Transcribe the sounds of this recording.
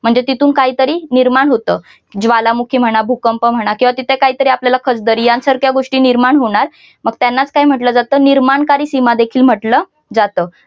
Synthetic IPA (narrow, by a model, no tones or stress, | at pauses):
m̤əɳd͡zet̪it̪ʰuːnkaɦiːt̪əɾiːniɾmaɳɦot̪əː | d͡zʋalamukʰiːm̤əɽ̃abʱukəmpəm̤əɽ̃akĩw̃ʋat̪it̪ʰekaɦiːt̪əɾiːapljalakʰət͡sd̪əɾiːjansəɾkʰjaɡoʂʈiːniɾmaɳɦoɽ̃aɾ | məɡ̚t̪janːat͡skaɦim̤əʈləːd͡zat̪əːniɾmaɳkaɾiːsimad̪ekʰiːlm̤əʈlə | d͡zat̪əː